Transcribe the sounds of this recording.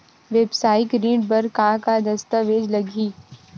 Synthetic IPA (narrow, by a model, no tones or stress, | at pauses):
ʋeːbsaːɪkɾĩːɳbɐɾkãːkad̪ɐst̪əʋeːd͡ʒlɐɡʱiː